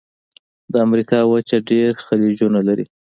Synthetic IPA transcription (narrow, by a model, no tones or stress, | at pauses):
d̪əamɾikɑwət͡ʃaɖeɾxalid͡ʒunalaɾḭ